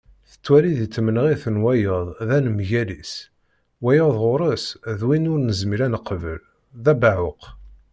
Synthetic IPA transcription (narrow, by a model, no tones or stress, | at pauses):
θə̥t͡sːwæliðit͡sːmənəʁiθənwæjəðˤðænəmʝælis | wæjəðˤʁʊɾˤəsðwinʊɾnəzmiɾænəqːvə̰l | ðæbaʕʊq